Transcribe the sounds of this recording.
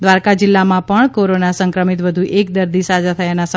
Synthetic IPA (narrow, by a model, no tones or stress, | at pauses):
d̪ʋaɾkad͡ʒɪlːamãpəɳkoɾonasəŋkɾəmit̪ʋəd̪ʱuʔek̚d̪əɾd̪isad͡ʒat̪ʰəjanasə